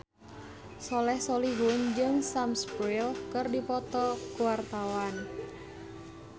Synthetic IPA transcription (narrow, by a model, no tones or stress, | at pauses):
sɔlɛhsɔliɦʊnd͡ʒɨŋsamspɾilkɨrdipɔt̪ɔkuwart̪awan